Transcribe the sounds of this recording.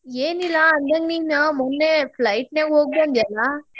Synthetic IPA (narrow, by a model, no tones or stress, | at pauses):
eːnilaːɐnd̪ãŋɡniːnãːmɔnːeflɐɪʈnẽːoːɡ̚põnd̪jaːlaː